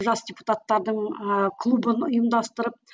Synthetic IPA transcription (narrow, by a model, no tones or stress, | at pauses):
ʒɑsdʲepu̥t̪at̪ːɑɾd̪əɴkʰlˠubənʊjəmd̪ɑst̪əɾəp̚